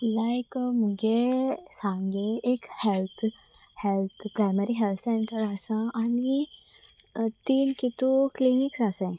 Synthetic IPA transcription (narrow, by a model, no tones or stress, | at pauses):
lajkmuɡesãŋɡeekhɛlt̪ʰ | hɛlt̪ʰpɾaɪmeɾiɦɛlt̪ʰsẽɳʈəɾasãʔani | t̪iːnkit̪ukliniksasẽ